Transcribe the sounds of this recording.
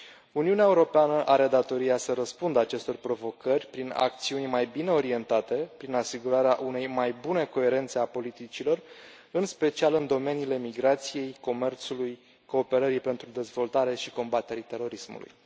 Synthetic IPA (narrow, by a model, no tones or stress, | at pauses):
uniuneaeuɾo̞peanəʔaɾe̞d̪at̪o̞ɾiasəɾəspund̪əat͡ʃe̞st̪o̞rpɾo̞vo̞kərʲpɾina̰k̚t̪siunʲmajbine̞o̞ɾie̞nt̪at̪e̞pɾinasiɡuɾaɾeaʔune̞jmajbune̞ko̞e̞ɾe̞nt̪se̞apo̞lit̪it͡ʃilo̞r | ɨnspe̞t͡ʃialɨnd̪o̞me̞niːle̞miɡɾat̪sije̞jko̞me̞rt̪suluj | ko̞ːpe̞ɾəɾipe̞nt̪ɾud̪e̞zvo̞lt̪aɾe̞ʃiko̞mbat̪e̞ɾit̪e̞ɾo̞ɾismṵlṵj